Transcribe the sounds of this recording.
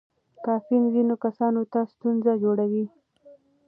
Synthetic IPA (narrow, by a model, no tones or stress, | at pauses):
kɑfinzinokasɑnot̪ast̪unzad͡ʒoɽawi